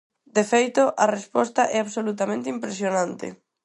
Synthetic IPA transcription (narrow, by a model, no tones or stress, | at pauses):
d̪efejt̪ʊʔɐrespɔst̪ɐʔɛaβsolut̪amẽnt̪ɪimpɾesjonãnt̪ɪ̰